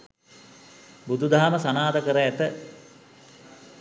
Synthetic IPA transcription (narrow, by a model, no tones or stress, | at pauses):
bud̪ʱud̪ʱaːməsanaːd̪əkəɾəæt̪ə